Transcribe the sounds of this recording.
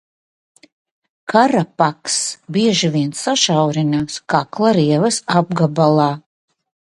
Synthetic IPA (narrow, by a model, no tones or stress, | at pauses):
kʰaɾapaksbiɛʒiviɛnsaʃawɾinaːskaklˠaɾiɛvɐsab̚ɡabalˠaː